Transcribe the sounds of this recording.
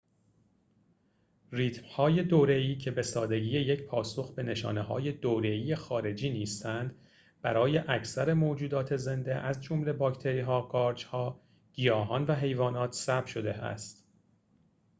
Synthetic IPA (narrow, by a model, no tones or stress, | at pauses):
riːt̪ʰmhɒːje̞d̪oːɾe̞iːcʰe̞be̞sɒːd̪e̞ɟiːjeje̞cʰpʰɒːso̞xbe̞ne̞ʃɒ̰ːneɦɒ̰ːje̞d̪oːɾe̞iːjexɒːɾe̞d͡ʒiːniːst̪ænd̪ | b̥æɾɒːje̞ʔæcʰsæɾe̞moːd͡ʒuːd̪ɒːt̪ʰe̞ze̞nd̪e̞ʔæzd͡ʒo̞mle̞bɒːcʰt̪ʰe̞ɾiːɦɒːɡɒːɾd͡ʒhɒː | ɟ̥ijɒːɦɒːnvæɦe̞jvɒːnɒːt̪ʰsæbʃo̞d̪e̞æ̰st̪